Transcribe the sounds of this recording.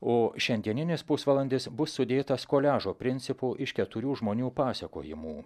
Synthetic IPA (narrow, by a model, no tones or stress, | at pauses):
oːʃʲɛnʲd̪ʲiɛnʲɪnʲɪspʊsʋɐlˠɐnʲd̪ʲɪsbʊsːʊd̪ʲeːt̪ɐskoːlʲæːʒoːpʲɾʲɪnʲtsʲɪpuːʔɪʃkʲɛt̪ʊɾʲuːʒmoːnʲuːpɑːsʲɛko̰ːjɪmuː